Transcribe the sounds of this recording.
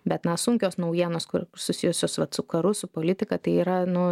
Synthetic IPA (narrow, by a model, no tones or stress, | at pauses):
bʲɛt̪nɐsʊŋʲkʲoːsnɐʊjiɛnoːskʊsʊsʲɪjʊsʲoːsʋɐt̪sʊkɐɾʊsʊpoːlʲɪt̪ʲɪkɐt̪ɐɪiːɾɐnʊ